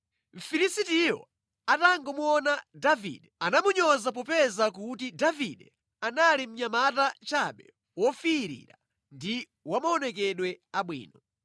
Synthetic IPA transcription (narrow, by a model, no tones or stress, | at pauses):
m̩fiɾisitijɔ̰ | ataŋɡɔmuɔnadavḭɗɛanamuɲɔzap̬ɔpɛzakutidavḭɗɛ̰ | analim̩ɲamatat͡ʃaɓɛ | wɔfiːɾḭɾa | ndi | wamaɔnɛkɛɗwɛaɓwḭːnɔ